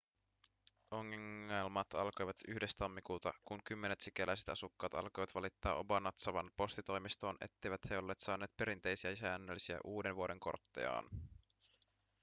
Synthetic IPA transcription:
oŋːiŋːɑjlmɑːt̪ɑlko̞jʋɑt̪yhde̞st̪ɑmːikuːt̪ɑ̰kuŋkymːe̞ne̞t̪sikelʔæjse̞t̪ɑsukːɑːt̪ɑ̰lko̞jʋɑt̪ʋɑlit̪ːɑ̰ːʔo̞̰bɑnːɑt̪sɑʋɑnpo̞st̪it̪o̞jmist̪o̞ːnʔe̞̰t̪ːe̞jʋæt̪he̞o̞lːe̞ːt̪sɑːne̞ːt̪pe̞ɾint̪e̞jsiæsæːnːølisiæ̰ʔuːde̞nʋuo̞de̞ŋko̞̰rt̪ːḛjɑ̰ːn

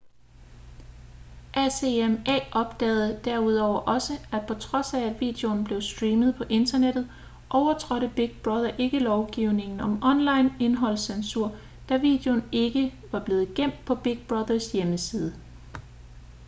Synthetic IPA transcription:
ʔæseemɛ̰ːʔɒ̽b̥d̥ɛ̰ːð̩ˠəd̥æɐ̰uð̞ˠɒʊ̰ɐʔɒ̽səæd̥̚pʰɒ̽t͡sʰʁɒ̽sæːd̥ʋḭd̥eo̝nb̥le̝ʊsd̥ʁiːməðˠpʰɒ̽ʔe̝nd̥ɐned̥ð̞̩ˠ | ʔɒʊɐt͡sʰʁɒɾəb̥iɡ̥̚b̥ʁɑð̞ˠɐʔe̝ɡ̥əlɒʊɡ̥iʊ̰ne̝ŋn̩ɒ̽mʔɒ̽nlɑ̈ɪne̝nɦɒ̽l̰sensuɐ̰ | d̥æʋḭːd̥e̝o̝ne̝ɡ̥əʋɑ̈b̥le̝ːð̞̩ˠɡ̥em̰d̥̚pʰɒ̽b̥iɡ̥̚b̥ʁɑðˠɐsjeməsiːð̞ˠə

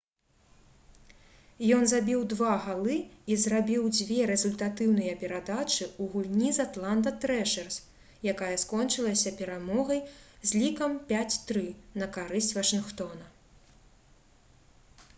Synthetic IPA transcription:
jɔnzabʲiwd̪vaɣalˠɨizɾabʲiwd͡zʲvʲɛɾɛzulʲt̪at̪ɨwnɨjɐpʲɛɾad̪at͡ʂɨuɣulʲnʲizat̪lˠand̪ɐt̪ɾɛʂɛrs | jakajɐskɔnt͡ʂɨlˠɐsʲɐpʲɛɾamɔɣɐjzʲlʲikɐmpʲat͡sʲt̪ɾɨnɐkaɾɨsʲt͡sʲvɐʂɨnxt̪ɔnɐ

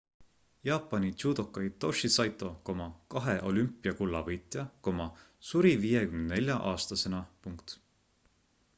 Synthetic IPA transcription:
jɑːpːˑɑnit͡ʃud̪o̞kːɑjt̪o̞ʃisɑjt̪ˑːo̞ko̞mɑkɑɦe̞ʔo̞lympːˑiɑkulːɑvɤjt̪ˑjɑko̞mɑ | suɾivijekymnnne̞lʲjɑʔɑːst̪ɑse̞nɑpuŋkt̪

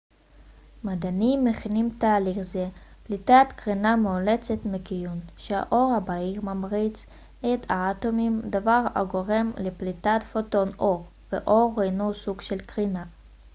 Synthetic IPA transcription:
mad̪animːeχinimtaːliχzeplitat̪kʁinamolet͡setmekijunʃea̰ʔo̞ʁhabaiʁmamʁit͡s | et̪ʰaatomimd̪avaʁa̰ɡo̞ʁe̞mleplitatfoto̞no̞ʁ | vḛʔoʁːejnusuɡʃelkʁina

